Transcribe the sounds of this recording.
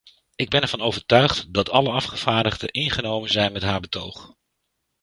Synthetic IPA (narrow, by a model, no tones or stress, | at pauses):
ɪɡ̚bɛnɛɹvɑnowvəɹtœɥχtdɑtʰɑləɑfχəv̥aːɹdəχdəʔɪnχənowmənzɛjnmɛtɦaːɹbətowχ